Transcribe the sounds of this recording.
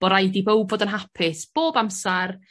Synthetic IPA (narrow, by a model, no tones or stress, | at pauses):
b̥ɔɾajdibowbvoːdənɦapʰɪsb̥oːbamsar